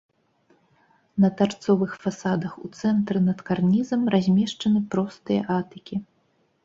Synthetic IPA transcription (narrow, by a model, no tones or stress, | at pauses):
nɐt̪art̪sɔvɨxfasad̪ɐxṵt̪sɛnt̪ɾɨnɐt̪karnʲizɐmrazʲmʲɛʂt͡ʂɐnɨpɾɔst̪ɨjɐ̰ʔat̪ɨkʲi